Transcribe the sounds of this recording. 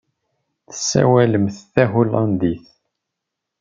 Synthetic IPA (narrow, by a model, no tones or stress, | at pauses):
θə̥sːæ̰wæləmθθæɦʊlɑnd̪iθ